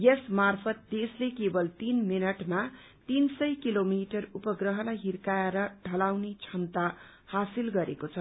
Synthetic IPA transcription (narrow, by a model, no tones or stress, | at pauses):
jʌsmarpʰʌt̪̚d̪eslekebʌlt̪inminʌʈma | t̪insʌjkilomiʈʌrupʌɡrʌɦʌlajɦirkajaɾʌɖʱʌlawnet͡sʰʌnt̪a | hasilɡʌɾekot͡sʰʌ